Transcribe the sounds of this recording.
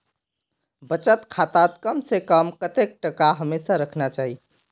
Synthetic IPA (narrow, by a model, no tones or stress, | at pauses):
bət͡ʃət̪kʰat̪at̪kəmsekəmkət̪ek̚ʈəkaɦəmesaɾəkʰnat͡ʃaɦi